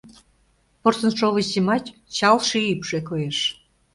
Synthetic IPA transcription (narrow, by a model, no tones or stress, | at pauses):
porsənʃovəzimɑt͡ɕt͡ɕɑlˠʃiipʃekojeʃ